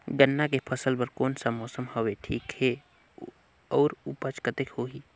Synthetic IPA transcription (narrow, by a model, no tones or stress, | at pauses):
ɡənːakepʰəsəlpəɾkoːnsamɔːsəmhoʋeʈʰḭːkhe | ɔːɾupət͡ʃkət̪ekhoɦiː